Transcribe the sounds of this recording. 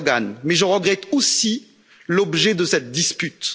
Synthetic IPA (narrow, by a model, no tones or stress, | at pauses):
ɡanmɛʒəʁəɡʁɛt̪osi | lɔbʒɛd̪əsɛt̪̚d̪ispyt̪